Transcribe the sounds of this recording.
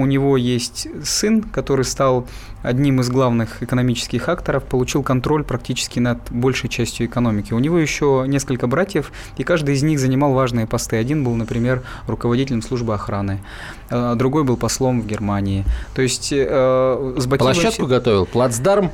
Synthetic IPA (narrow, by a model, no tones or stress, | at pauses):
ʊnʲɪvo̞jesʲtʲsɨnkɐt̪o̞ɾɨjst̪alˠ | ɐ̰dʲnʲimɨzɡlˠavnɨxɪkənɐmʲit͡ɕɪ̥skʲɪxakt̪əɾəfpəlˠʊt͡ɕilˠkɐnt̪ɾo̞lʲpɾɐk̚tʲit͡ɕɪ̥skʲɪnɐd̪bo̞lʲʂəjt͡ɕæsʲtʲjʊɪkɐno̞mʲɪkʲɪʊnʲɪvo̞jɪɕːonʲe̞skəlʲkəbɾatʲjəf | ikaʐd̪ɨɪzʲnʲixzənʲɪmɑlˠvaʐnɨjəpɐst̪ɨɐdʲinbɨlˠnəpɾʲɪmʲe̞r | rʊkəvɐdʲitʲɪlʲəmslˠuʐbɨɐxɾanɨ | d̪ɾʊɡo̞jbɨlˠpɐslˠo̞mvɡʲɪrmanʲɪːt̪o̞ɪsʲtʲ | zbɐkpʲlˠiɐvʃat̪kʊɡɐt̪ovʲɪlˠplˠad̪zd̪arm